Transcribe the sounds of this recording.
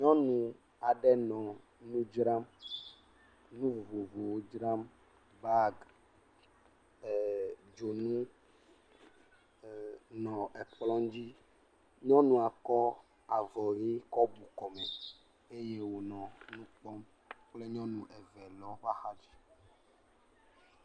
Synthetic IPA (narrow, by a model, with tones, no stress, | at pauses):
ɲɔ̃˦nũ˨ | a˨ɖɛ˦nɔ̃˨ | nũ˦d͡ʒɾa˦m | nũ˦vo˨vo˨vo˨wo˦d͡ʒɾa˦m | ba˦ɡ | d͡ʒo˨nũ˦ | nɔ̃˨ɛ˨k͡plɔ̃˦d͡ʑi˦ | ɲɔ̃˦nũ˨a˨kɔ˦ | a˨vɔ˨ɣi˦kɔ˦bu˨kɔ˨mɛ˨ | e˦je˦wo˨nɔ̃˨nũ˦k͡pɔ˦m | k͡ple˦ɲɔ̃˦nũ˨ʔɛ˨vɛ˨lɔ˦va˦xa˦d͡ʑi˦